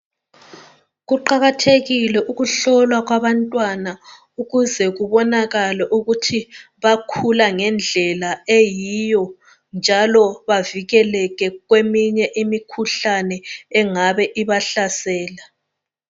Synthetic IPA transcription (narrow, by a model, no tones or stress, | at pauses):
ɣuǃaɣatʰeɣilɛʔuɣuɬɔlwaɣwaβantʼwana | uɣuzɛɣuβɔnaɣalɛʔuɣutʰi | βakʰulaŋɛnd͡ɮʱɛlaejijɔ | nd͡ʒʱalɔβaviɣɛlɛɣɛɣwemiɲɛʔimikʰuɬanɛɛŋaβɛʔiβaɬasɛːla